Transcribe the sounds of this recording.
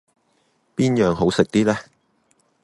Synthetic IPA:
piː˥njœː˨˧ŋɦo˨˥wsɪ˨k̚t̪iː˥lɛː˥

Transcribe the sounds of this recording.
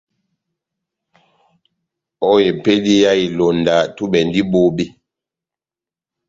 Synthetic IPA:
ɔ˦je˨pe˦di˦ja˦i˨lo˨nda˨tu˦bɛ˨n˦di˦bo˦bi˦

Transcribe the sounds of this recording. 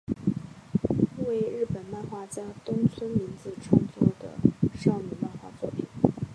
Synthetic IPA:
we˥˧ɪɻɻ̩˥˩pə˨˩nma˥˧nxwa˥˩t͡ɕja˥t̪ʊ˥ŋt͡sʰwə˥nmi˧˥nt͡sɹ̩˧ʈ͡ʂʰɑ˧˥ŋt͡su˥d̪ə̰˩ʂɑ˥˧ʊmy˥˧ma˥˧nxwa̰˥˧t͡swɔ˥˩pʰi˨˩˦

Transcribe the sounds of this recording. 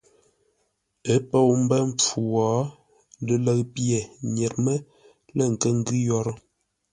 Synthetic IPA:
ə˦pə˦˨wm̩˦bə˦m̩˦p͡fu˨wɔː˨˦ | də˦lə˨kpje˨ɲɛ˨t̚mə˦ | lə˨ŋ̩˨kə˦ŋ̩˦ɡʉ˦jɔ˦ɾə˦

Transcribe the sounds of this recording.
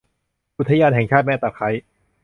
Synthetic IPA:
ʔu˦˥t̪ʰːa˧jaː˧nɦɛ˨˩ŋt͡ɕʰaː˥˩t̪̚mɛː˥˩t̪aː˨˩kʰa˦˥j

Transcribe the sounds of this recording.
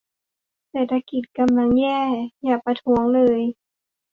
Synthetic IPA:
sɛː˨˩t̪ʰːa˧ki˨˩t̪̚ka˧mla˧˥˩ŋjɛː˥˩jaː˨˩k̚pa˧t̪ʰu˧˦əŋlɤː˧j

